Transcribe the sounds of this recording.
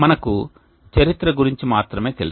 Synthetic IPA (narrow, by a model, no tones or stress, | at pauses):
mɐnɐku | t͡ʃɐɾit̪ɾɐɡuɾiɲt͡ʃimaːt̪ɾɐme̞ːt̪e̞lu